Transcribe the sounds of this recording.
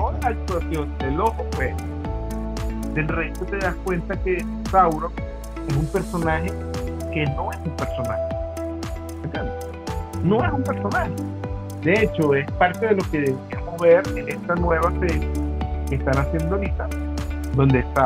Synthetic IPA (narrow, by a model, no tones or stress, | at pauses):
oaakt̪wasjo̞nd̪e̞lohopeso | d̪̥e̞lrejt̪ot̪e̞ðaskwe̞nt̪ake̞ | sawɾo | e̞s̬umpe̞ɾsonaxe | ke̞no̞e̞sumpe̞ɾso̞nahe | et̪jend̪e | no̞esumpe̞ɾso̞nahe | d̪e̞e̞t͡ʃo̞e̞spaɾt̪e̞ð̞e̞lo̞keðeβemohβeɾenest̪anwe̞β̞asesakeːst̪anasje̞nd̪olit̪a | d̪o̞nd̪est̪a